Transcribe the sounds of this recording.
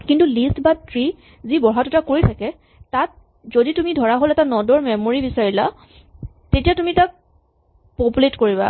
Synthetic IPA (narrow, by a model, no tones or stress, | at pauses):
kintulistbatɹi | zibɔɦatʊtakoɹitʰakɛ | tat̚ | zoditumidʱɔɹaɦolɛtanɔdɔɹmɛmoɹibisaɹila | tetijatumitak̚ | populetkoɹiβa̰